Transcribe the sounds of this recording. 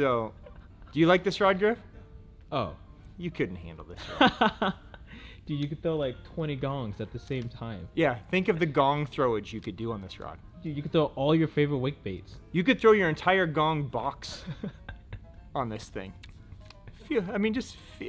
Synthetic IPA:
soʊ | d̥ɨjɨlaɪk̚ðɪsɹɑd̚ɡɹɪf | oʊ | jɨkʰʊdⁿn̩t̚hæ̰̃ndˡl̩ˠðɪs | d̥ɨjɨkɨd̪̚θɹoʊlaɪk̚tʰw̥ɛ̃ɾ̃iɡɔ̃ŋzɨt̪̚ðɨsẽɪ̃mtʰãɪ̃mjæθɪ̃ŋkʌvðɨɡɔ̃ŋθɹoʊɨd͡ʒjɨkɨdɨə̃nðɪsɹɑ̰d̥̚d̥ɨjɨkɨd̪θɹoʊʔɔlˠjə˞feɪvə˞ɨt̚weɪk̚b̥eɪtsjɨkɨd̪̚θɹoʊjə˞ɨ̃ntʰaɪə˞ɡɔ̃ŋbɑks | ə̃n̩ðɪsθɪ̰̃ŋ | fiaɪmĩnd͡ʒʌstfi

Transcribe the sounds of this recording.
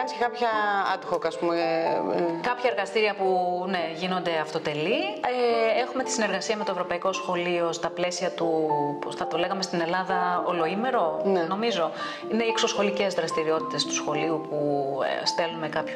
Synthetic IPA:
ɐniscekɐpçɐɐt̪oxokɐspume | kɐpçɐe̞ɾɣɐst̪iɾiɐpune̞ʝino̞nd̪e̞ɐft̪o̞t̪e̞liee̞xume̞t̪i̥sine̞ɾɣɐsiɐme̞t̪oevɾo̞pɐiko̞sxo̞lio̞st̪ɐple̞siɐt̪upθɐt̪o̞le̞ɣɐme̞st̪ine̞lɐðɐolo̞ime̞ɾo̞neno̞mizo̞ | ineikso̞sxo̞lice̞zðɾɐst̪iɾio̞t̪i̥t̪e̞st̪u̥sxo̞liupṵst̪e̞lume̞kɐpçu

